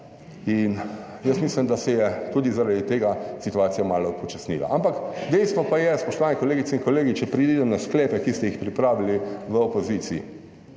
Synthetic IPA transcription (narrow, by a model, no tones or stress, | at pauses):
in | jəsmiːslimd̪asɛjɛt̪uːd̪izaɾad̪it̪eːɡasit̪uaːt̪sijamaːlɔpɔt͡ʃasnḭla̰ʔampakd̪ɛjst̪ʋɔpajɛspɔʃt̪ɔʋaːnɛkɔleːɡit̪sɛinkoleːɡit͡ʃɛpɾid̪id̪ɛmnasklɛːpɛkist̪ɛjixpɾipɾaːʋiliʋəopozit̪siḭ